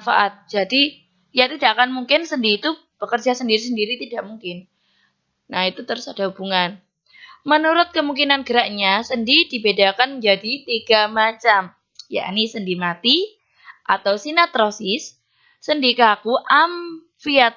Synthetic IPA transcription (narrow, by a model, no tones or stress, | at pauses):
fa̰ʔat̪̚d͡ʒadi | jat̪idaʔakanmuŋkɪnsəndiːt̪u | b̥əkərd͡ʒasəndiɾis̬əndiɾit̪idaʔmuŋkɪnː | ahit̪ut̪əɾʊsad̥aɦubuŋan | mənuɾʊt̪̚kəmuŋkinanɡəɾaʔɲasəndidibedakand͡ʒadit̪iɡ̥amat͡ʃam | ja̰ʔnisəndimat̪i | ʔat̪awsinat̪ɾosɪsː | əndikaakuʔam | fiat̪̚